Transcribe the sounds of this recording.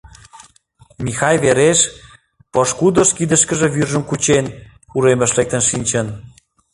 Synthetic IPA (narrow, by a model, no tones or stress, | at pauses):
mixɑjβeɾeʃ | poʃkud̪oʃkid̪əʃkə̆ʒĕβyrʒə̆mkut͡ɕen | uɾemə̆ʃlek̚t̪ə̆nʃinʲt͡ɕən